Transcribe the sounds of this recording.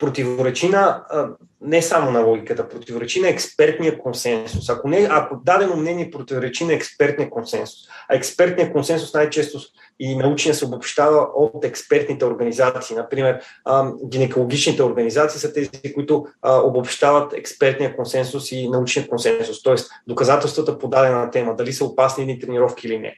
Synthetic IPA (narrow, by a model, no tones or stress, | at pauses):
pɾot̪ivoɾɛt͡ʃinə | nɛsamonɐlˠɔɡʲikət̪əpɾot̪ivoɾɛt͡ʃinəɛkspɛɾt̪nijəkonsɛnsʊsakonɛakod̪ad̪ɛmomnɛniɛpɾot̪ivoɾɛt͡ʃinɐɛkspɛɾt̪nijəkonsɛnsʊ̥sɐɛkspɛɾt̪nijəkonsɛnsʊsnajt͡ʃɛst̪ʊ | inɐut͡ʃniəsɛobopʃt̪avɐot̪ɛkspɛɾt̪nit̪ɛoɾɡɐnizatt̪siːnɐpɾimɛɾɡʲinɛkolˠoɡ̟ʲit͡ʃnit̪ɛoɾɡɐnizat̪siːsət̪ɛzikoit̪ʊobopʃt̪avət̪ɛ̰kspɛɾt̪nijəkonsɛnsʊsinɐut͡ʃnijəkonsɛnsʊst̪ɔɛsd̪okɐzat̪ɛlˠst̪vət̪əpod̪ad̪ɛnɐt̪ɛməd̪ɐlisəopasniɛd̪nit̪ɾɛniɾɔfkiːlinɛ̰